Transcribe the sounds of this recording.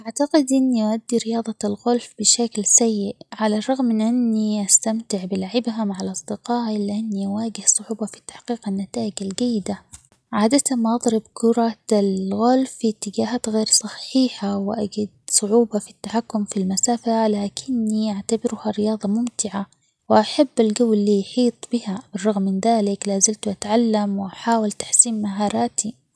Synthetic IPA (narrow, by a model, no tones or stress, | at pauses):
ʔaʕt̪aqɪd̪ʔɪnːiʔaʔad̪ːiɾɪjɑːðˤɑlɣʊlfb̥ɪʃaklsajːɪʔʕalarˤːɑɣmːɪnʔanːiʔast̪amt̪ɪʕbɪlaʕɪbɦamaʕalʔɑsˤd̪ɪqɑːʔɪlɪʔanːiʔawaːɡɪhsˤʊʕuːbɑfi̥t̪ːḁħqiːqanːat̪aːʔɪd͡ʒalɡajːɪd̪a | ʕaːd̪at̪amaʔɑðˤɾɪbkʰʊɾˤɑalɣalfit̪ːɪɡaːɦaːt̪ɣeːɾsˤɑħiːħawɪʔaɡad̪̚sˤʊʕuːbɑfit̪ːaħakːʊmfilmasaːfalaːkʰɪnːiʔaʕt̪abɪɾhaɾɪjɑːðˤɑmʊmt̪ɪʕa | wɪʔaħabːalɡawːɪlːiːjħiːt̪ˤbɪhabɪrˤːɑɣmːɪnðaːlɪklaːzɪmt̪uʔat̪ʕalːamwɪʔaħaːwɪlt̪ḁħsiːmmaɦɑːɾˤɑːt̪i